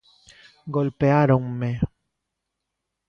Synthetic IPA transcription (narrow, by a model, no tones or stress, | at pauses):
ɡolpeaɾoŋme